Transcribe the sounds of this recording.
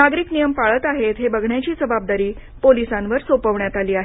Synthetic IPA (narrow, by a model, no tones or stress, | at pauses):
naɡɾiːknijəmpaɭət̪aɦet̪ɦebəɡʱɳjat͡ɕiːt͡səbab̚d̪aɾiː | polisãnʋəɾsopəʋɳjat̪aliːaɦe